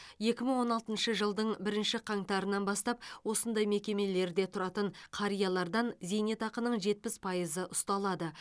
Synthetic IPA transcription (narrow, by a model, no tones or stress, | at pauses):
je̞kʲɪməɴwo̞nɑlˠt̪ənʃəʒəlˠd̪əɴbɪɾɪnʃɪqʰɑɴt̪ɑɾənːɑnbɑst̪ɑp̚wo̞sənd̪ɑjme̞kʲe̞me̞le̞ɾd̪e̞t̪ʰʊɾɑt̪əɴqʰɑɾijɑlˠɑɾd̪ɑnze̞ne̞t̪ɑqənəɴʒe̞t̪̚pɪspʰɑjəzəʔʊst̪ɑlˠɑd̪ə